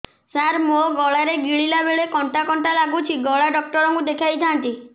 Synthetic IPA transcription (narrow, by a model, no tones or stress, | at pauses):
saɾmoɡɔɭaɾeɡiɭilabeɭekɔɳʈakɔɳʈalaɡut͡ʃʰiɡɔɭaɖɔk̚ʈɔɾɔŋkud̪ekʰajt̪ʰant̪i